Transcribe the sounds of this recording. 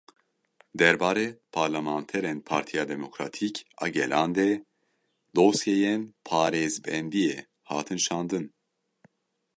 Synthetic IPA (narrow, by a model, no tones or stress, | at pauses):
d̪ɛɾbaːɾɛpʰaɾlɛmaːnt̪ʰɛɾɛnpʰaːɾt̪ʰijaːd̪ɛmokɾat̪ʰikɑ̰ɡɛlaːnd̪ɛ | d̪osjejɛnpʰaːɾezbɛnd̪ijɛ | haːt̪ʰɨnʃaːnd̪ɨn